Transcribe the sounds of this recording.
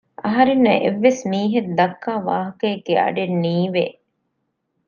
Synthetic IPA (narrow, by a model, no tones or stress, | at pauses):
ɐɦɐɾenːɐʔḛʋːesmiːɦed̪ɐkːaːʋa̰ːɦɐkɐeɡːeɐ̰ɖenːiːʋeː